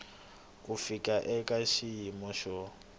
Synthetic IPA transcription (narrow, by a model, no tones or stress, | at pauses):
ufikʼaʔɛkʼaʃijimɔʃɔ